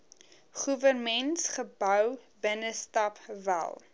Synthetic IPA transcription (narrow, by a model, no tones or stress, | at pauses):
χuvərmɛntsχəbœwbənəstɐpvæ̰lˠ